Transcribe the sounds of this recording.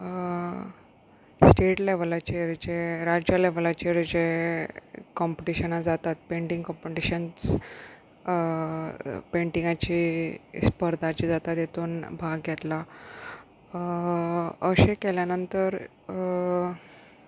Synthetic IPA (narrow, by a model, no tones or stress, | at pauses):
sʈeʈleʋlat͡ɕeɾd͡ʑeɾad͡ʑjalɛʋlat͡ɕeɾd͡ʑe | kɔmpeʈiɕənad͡zat̪at̪̚peɳʈĩŋɡkɔ̃mpeʈiɕənt͡s | peɳʈĩŋɡat͡ɕiːspəɾd̪ʱat͡ɕiːd͡zat̪at̪jet̪uːnbʱaɡɡʱɛt̪la | əɕẽkɛljanənt̪əɾ